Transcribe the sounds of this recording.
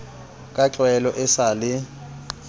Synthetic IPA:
kʼat͡ɬwɛlɔʔɛsalɪ

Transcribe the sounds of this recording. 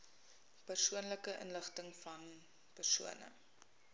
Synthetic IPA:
pərsuənləkəʔə̰nləχtəŋfɐn | pərsuənə̰

